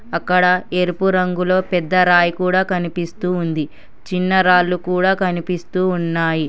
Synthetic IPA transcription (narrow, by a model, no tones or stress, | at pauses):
ɐkːɐɽɐeɾpuɾɐŋɡulo̞ːpɛd̪ːɐɾaːjikuːɽaːkɐnipist̪uːnd̪i | t͡ʃinːɐɾaːlːukuːɽaːkɐnipist̪uːnːaːji